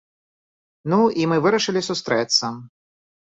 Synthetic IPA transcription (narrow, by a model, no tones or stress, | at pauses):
nuimɨvɨɾɐʂɨlʲisust̪ɾɛt̪sːɐ